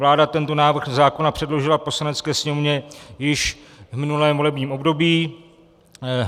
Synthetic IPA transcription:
laːdat̪ɛnt̪o̞naːvr̩xzaːko̞napr̥ɛdlo̞ʒɪlapo̞slanɛt͡skɛːsɲɛmovɲɛjɪʃ | vmɪnulɛːmvo̞lɛbɲiːmʔo̞bdo̞biː

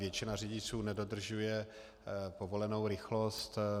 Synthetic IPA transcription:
vjɛt͡ʃɪnarɪɟɪt͡suːnɛdo̞d̪r̩ʒujɛ | povo̞lɛnowɾɪxlo̞st̪

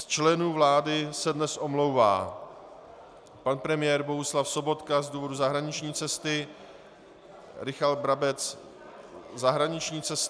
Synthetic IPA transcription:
st͡ʃlɛnuːvlaːdɪsɛdnɛsʔo̞mlo̞wva̰ː | panpɾɛmɪjɛːɾbo̞ɦuslafso̞bo̞t̪kazduːvo̞duzaɦɾaɲɪt͡ʃɲiːt͡sɛst̪ɪ | ɾɪxalt̪̚bɾabɛt͡s | zaɦɾaɲɪt͡ʃɲiːt͡sɛs

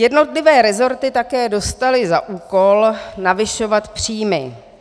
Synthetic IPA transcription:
jɛdno̞t̪lɪvɛːɾɛzo̞ɾt̪ɪt̪akɛːdo̞st̪alɪzaʔuːko̞lnavɪʃo̞vat̪pr̝̥iːmɪ̰

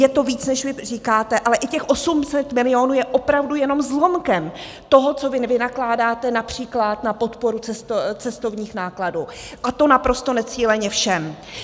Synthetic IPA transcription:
jɛt̪o̞viːt͡snɛʃvɪr̝iːkaːt̪ɛʔalɛʔɪcɛxʔo̞sumsɛt̪mɪlɪo̞nuːjɛʔo̞pɾavdujɛno̞mzlo̞mkɛm | t̪o̞ɦo̞t͡so̞vɪnɛvɪnaklaːdaːt̪ɛnapr̝̥iːklat̪napo̞t̪po̞ɾut͡sɛst̪ot͡sɛst̪o̞vɲiːxnaːkladuː | ʔat̪o̞napɾo̞st̪onɛt͡siːlɛɲɛfʃɛm

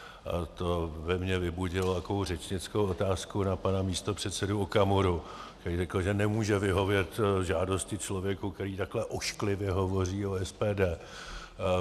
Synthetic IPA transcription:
ʔa̰t̪o̞vɛmɲɛvɪbuɟɪlot̪akovowr̝ɛt͡ʃɲɪt͡skowo̞t̪aːskunapanamiːst̪o̞pr̝̥ɛt̪sɛduokamoɾukt̪ɛɾiːrɛkl̩ʒɛnɛmuːʒɛvɪɦo̞vjɛt̪ʒaːdo̞scɪt͡ʃlo̞vjɛkukt̪ɛɾiːt̪aklɛʔoʃklɪvjɛɦo̞vo̞riːoɛspɛːdɛː

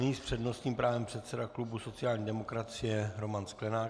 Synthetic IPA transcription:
ɲiːspr̝̥ɛdno̞st̪ɲiːmpɾaːvɛmpr̝̥ɛt̪sɛdaklubuso̞t͡sɪaːlɲiːdɛmo̞kɾat͡sɪjɛɾo̞mansklɛnaː

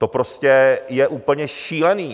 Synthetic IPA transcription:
t̪o̞pɾoscɛjɛʔuːpl̩ɲɛʃiːlɛniː

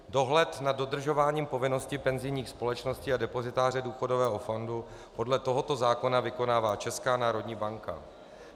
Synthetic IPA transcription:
do̞ɦlɛt̪nad̚dːo̞d̪r̩ʒo̞vaːɲiːmpo̞vɪno̞scɪpɛnzɪjɲiːxspo̞lɛt͡ʃno̞scɪadɛpo̞zɪt̪aːr̝ɛduːxo̞do̞vɛːɦo̞fo̞ndu | po̞dlɛt̪o̞ɦo̞t̪o̞zaːko̞navɪko̞naːvaːt͡ʃɛskaːnaːɾo̞dɲiːbaŋka̰

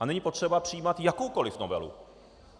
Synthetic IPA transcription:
ʔanɛɲiːpot̪r̝̥ɛbapr̥ijiːmat̪jakowko̞lɪfnovɛ̰lṵ

